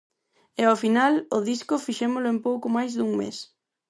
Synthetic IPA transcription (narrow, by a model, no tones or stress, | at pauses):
ɛafinalʊðiskʊfiʃɛmʊlʊempowkʊmajzðuŋmḛs